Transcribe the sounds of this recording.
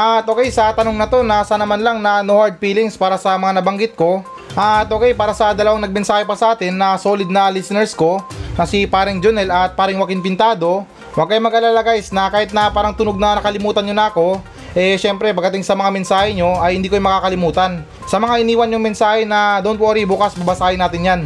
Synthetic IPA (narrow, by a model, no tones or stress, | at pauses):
ʔat̪̚ʔoːkɛjsɐt̪ɐno̞ŋnɐt̪o̞nɐsanɐmanlɐŋnɐnohaɹd̪̚fiːlɪŋspaːɾɐsɐmɐŋanɐbɐŋɡɪt̪̚ko̞ | ʔat̪ʔoːkɛjpaːɾɐsɐd̪ɐlɐwaŋnɐɡ̚mɛnsaːhɛpɐsɐʔaːt̪ɛnːɐso̞ːlɪd̪̚nɐlisɛnɛɹsko̞nɐsipaːɾɪŋd͡ʒonɛlɐt̪̚paːɾɪŋwɐkɪnpɪnt̪aːd̪o̞ | wɐɡ̚kɐjmɐɡaːlalɐɡajsnɐkaːhɪt̪nɐpaːɾɐŋt̪ʊnoɡ̚nɐnɐkɐlɪmuːt̪ɐnɲonɐɐko̞ | ʔɛʃɛmpɾɛpɐɡːɐt̪ɪŋsɐmɐŋamɛnsaːhɛɲo̞ʔɐjhɪnd̪iːkojmɐkaːkɐlɪmuːt̪ɐn | sɐmɐŋaʔɪniːwɐnɲʊŋmɛnsaːhɛnɐd̪oʊnwoɾibuːkɐsbɐbɐsaːhɪnaːt̪ɪnjan